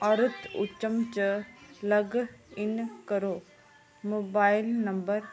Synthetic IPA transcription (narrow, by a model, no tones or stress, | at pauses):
ɐɾʊt̪ʊ̰t͡ʃːəmt͡ʃəlɐɡɪnkəɾoː | moːbaːɪlnɐmbəɾ